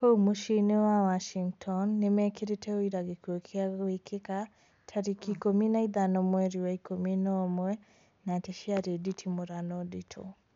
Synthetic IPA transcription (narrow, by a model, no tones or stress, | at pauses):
homuʃinewawaʃiŋɡtʰɔnːemɛkiɾetʰɛoiɾaɣekwokʰeaɣekʰeka | tʰaɾikikominaiðanɔmwɛɾiwaikominɔmwɛ | nateʃiaɾeditʰimoɾanɔditʰɔ̰